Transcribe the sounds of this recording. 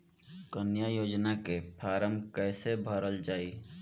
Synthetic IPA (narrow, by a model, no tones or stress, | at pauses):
kənjajoːd͡ʒnakepʰaːɾəmkɛːsebʱəɾəld͡ʒaːi